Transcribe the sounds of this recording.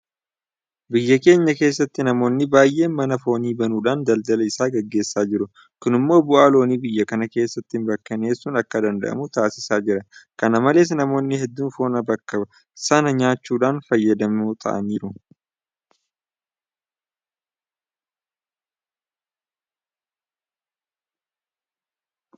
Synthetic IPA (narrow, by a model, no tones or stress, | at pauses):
bɪjːɐke̞ːɲːɐke̞ːsːɐt̪ːɪnɐmo̞ːnːɪbaːjʔe̞ːnmɐnɐfo̞ːniːbɐnuːᶑaːnd̪ɐld̪ɐlɐɪsaːɡɛɡːe̞ːsːaːd͡ʒɪɾʊ | kʊnɪmːo̞ːbʊʔaːlo̞ːniːbɪjːɐkɐnɐke̞ːsːɐt̪ːɪɪmbɐkːɐne̞ːsːuːnɐkːɐd̪ɐnd̪ɐ̰ʔɐ̰mʊt̪aːsɪsaːd͡ʒɪɾɐkɐnɐmɐle̞ːs̬nɐmo̞ːnːɪhɛd̪ːuːnfo̞ːnɐbɐkːɐbɐ | sɐnɐɲaːt͡ʃːuːᶑaːnfɐjːɐd̪ɐmut̪ʰɐ̰ʔɐ̰niːɾʊ